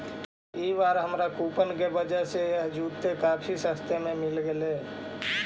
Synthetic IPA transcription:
iʋaːɾɦəmɾakuːpənkebəd͡ʒəɦsejɐɦd͡ʒuːt̪ːekaːfʰisə̃st̪ʰemẽmɪlɡeleː

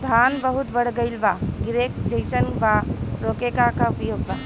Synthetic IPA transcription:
d̪ʱanbəɦut̪bəɽ̤ɡəɪlbaɡɾekd͡ʒəjsənbaɾokekakaupjoɡba

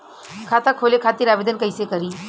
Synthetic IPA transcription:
kʰaːt̪akʰoːlekʰaːt̪iɾaːʋed̪ənkəjsekɐɾiː

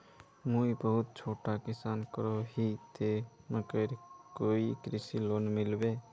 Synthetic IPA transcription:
muibəɦut̪̚t͡ʃʰoʈakisankəɾoɦit̪eməkəɪɾkoikɾisilonmilbe

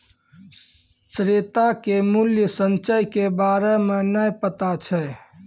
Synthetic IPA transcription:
ʃɾet̪akemʊljəsə̃nt͡ʃəjkebaːɾemẽnəjpət̪at͡ʃʰɛ

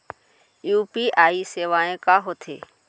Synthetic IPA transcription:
juːpiːʔaːiːseːʋaːẽːkaːɦoːt̪ʰḛː

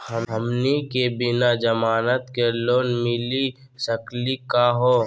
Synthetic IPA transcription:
həɦəmnikebɪnad͡ʒəmaːnət̪keloːnmɪli | səklikaɦoː

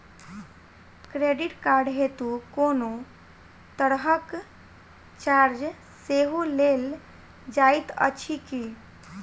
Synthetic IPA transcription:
kɾeɖiʈkaɾɖɦet̪ukono | t̪əɽɦək | t͡ʃaɾd͡ʒ | seɦulel | d͡ʒajt̪ə̰t͡ʃʰiki

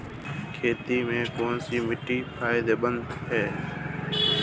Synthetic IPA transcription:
kʰeːt̪iːmẽːkoːnsiːmɪʈiːpʰaːɪd̪eːɓənd̪ɦɛː

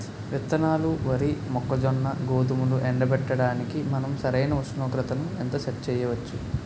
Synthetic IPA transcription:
ʋit̪ːɐnaːluʋɐɾimɔkːɐd͡ʒɔnːɐɡoːd̪umuluʔɛɳɖɐbɛʈːɐɽaːnikimɐnɐmsɐɾɐjnɐuʃnoːɡɾɐt̪ɐnuent̪ɐt͡ʃɐtt͡ʃɛːjɐʋɐt͡ʃːu

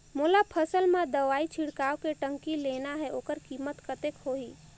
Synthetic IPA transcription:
mulapʰəsəlmẽd̪əʋaːit͡ʃʰiɽkaːwkeʈə̃ŋkilenaɦɛoːkəɾkiːmət̪kət̪ekɦoiː

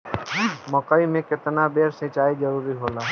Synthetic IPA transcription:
mɔːkaimẽkɪt̪nabeːɾsẽːt͡ʃaːid͡ʒəɾuːɾiɦoːlaː

